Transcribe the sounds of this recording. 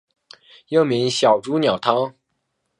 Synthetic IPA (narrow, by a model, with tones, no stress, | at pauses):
jɤ˥˩mi˧˥ŋɕjɑ˨˩ʊʈ͡ʂu˥njɑ˨˩ʊt̪ʰɑ˥ŋ